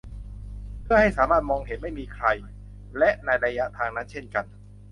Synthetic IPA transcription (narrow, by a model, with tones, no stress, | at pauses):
pʰɯ˥˩ɦa˥˩jsaː˩˦maː˥˩t̪̚mɔː˧ŋɦe˩˦nma˥˩jmiː˧kʰɾa˧j | lɛ˦˥ʔnaː˧jɾa˧ja˦˥t̪ʰaː˧ŋna˦˥nt͡ɕʰe˥˩nka˧n